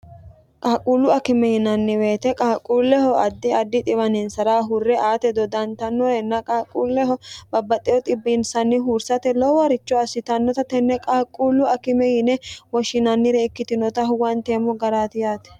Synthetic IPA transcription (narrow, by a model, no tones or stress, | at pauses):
kʼaːkʼuːlːʊɐkɪmɛjɪnɐnːɪweːt̪ɛkʼaːkʼːuːlːɛhɔɐd̪ːɪɐd̪ːɪt̪ʼɪβɐnɪnsɐɾaːɦʊrːɛʔaːt̪ɛd̪ɔd̪ɐnt̪ɐnːɔɾɛnːɐkʼaːkʼːuːlːɛɦɔbɐbːɐt̪ʼɛjɔt̪ʼɪbːɪnsɐnːɪɦuːɾsɐt̪ɛlɔwɐɾɪt͡ʃːɔɐsːɪt̪ɐnːɔt̪ɐt̪ɛnːɛkʼaːkʼːuːlːʊɐkɪmɛjɪnɛwɔʃɪnɐnːɪɾɛɪkːɪt̪ɪnɔt̪ɐɦwɐnt̪eːmɔɡɐɾaːt̪ɪjaːt̪ɛ̥